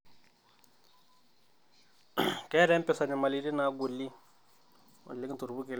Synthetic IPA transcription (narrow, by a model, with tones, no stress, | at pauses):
kkɛ˦ɾɛ˦m˦pɛ˦˨sa˨nɛ˨ma˨li˦ɾi˦na˨˦ɡʊ˨li˦ | ʊ̰˨lɪ˦kt̪u˨ɾbu˦kɪ˨l